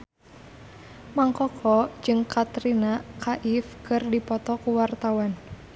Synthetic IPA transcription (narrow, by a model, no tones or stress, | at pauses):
maŋkɔkʰɔ̥d͡ʒɨŋkat̪ɾinakʰaʔifkɨrdipɔt̪ɔkuwart̪awan